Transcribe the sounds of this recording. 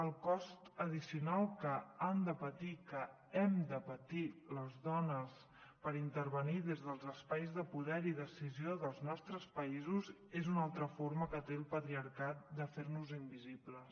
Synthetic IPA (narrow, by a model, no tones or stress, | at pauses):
əlˠkɔst̪əðisiunalˠkəand̪əpət̪ikə | ɛmd̪əpət̪iləzðɔnəs | pəɾint̪əɾβəniðezðəlˠzəspajzðəpuðɛɾiðəsizioðəlˠznɔst̪ɾəspəizuz | ezunalˠt̪ɾəfoɾməkət̪elˠpət̪ɾiəɾkat̪̚d̪əfeɾnuzimbiziplə